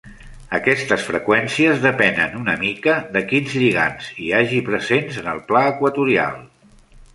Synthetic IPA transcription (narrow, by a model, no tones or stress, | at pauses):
əkɛst̪əsfɾəkwɛnsiəzðəpɛnə̰nunəmikəðəkinzʎiɣa̰nziaʒipɾəzenzənəlˠplaəkwət̪uɾia̰lˠ